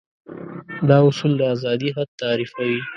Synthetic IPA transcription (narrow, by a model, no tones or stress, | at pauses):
d̪ɑʊsuld̪əazɑd̪iɦad̪̚t̪aɾifawi